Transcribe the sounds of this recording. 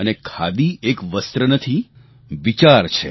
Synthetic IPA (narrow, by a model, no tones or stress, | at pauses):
ənekʰad̪iekʋəst̪ɾənət̪ʰi | ʋit͡ʃaɾt͡ʃʰe